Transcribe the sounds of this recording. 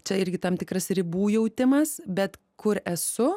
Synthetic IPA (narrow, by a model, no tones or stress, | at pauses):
t͡ʃʲɛɪɾʲɡʲɪt̪ɐmt̪ʲɪkɾɐsɾʲɪbuːjɛʊt̪ʲɪmɐsbʲɛt̪ | kʊɾɛsʊ